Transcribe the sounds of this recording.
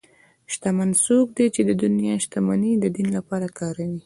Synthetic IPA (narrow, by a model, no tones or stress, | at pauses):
ʃt̪amansok̚d̪et͡ʃed̪əd̪ʊnjɑʃt̪amanid̪əd̪inlapɑɾakɑɾawi